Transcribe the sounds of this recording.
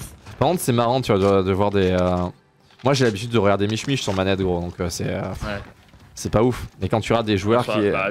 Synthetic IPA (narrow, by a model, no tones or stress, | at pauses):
paʁkɔ̃t̪sɛmaʁɑ̃t̪yad̪əd̪əvwaʁd̪eø | mwaʒelabit̪̬yd̪ːəʁəɡaʁd̪emiʃmiʃsyʁmanɛt̪ɡʁod̪ɔ̃køsɛø | sɛpaufmɛkɑ̃t̪yɔʁad̪eʒuœʁki